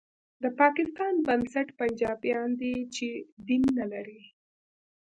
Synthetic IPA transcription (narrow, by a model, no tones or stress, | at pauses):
d̪əpɑkɪst̪ɑnbansaʈpand͡ʒɑbjɑnd̪et͡ʃed̪inːalaɾi